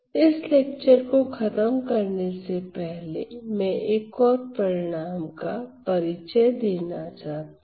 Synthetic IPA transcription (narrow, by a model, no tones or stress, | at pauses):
ɪsleːk̚t͡ʃəɾkoxɐt̪əmkɐɾnesepɛɦlḛmɛ̃ʔeːkɔːɾpɾɐɾɪɽ̃aːmkapɐɾɪt͡ʃəjd̪eːnat͡ʃaːɦt̪